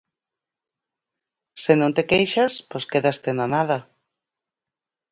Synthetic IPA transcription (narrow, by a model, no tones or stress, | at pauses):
senõnt̪ekejʃaspojskeðast̪enanaða